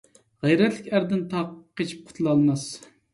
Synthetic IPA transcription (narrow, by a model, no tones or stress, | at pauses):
ʁɛjɾɛt̪lɪkʲæɾd̪ɪnt̪ʰɑqqːet͡ʃʰi̥p̚qʰʊ̥t̪ʰlˠɑlˠmɑs